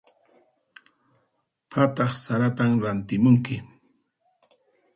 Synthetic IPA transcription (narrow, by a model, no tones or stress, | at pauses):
pʰat̪ɑχsaɾat̪amɾant̪ɪmʊŋkɪ